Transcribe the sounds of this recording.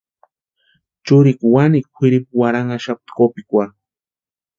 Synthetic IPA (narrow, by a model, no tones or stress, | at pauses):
t͡ʃʊɾɪkwanikxɪɾip̚waɾaŋaʃap̚t̪kopɪkʷa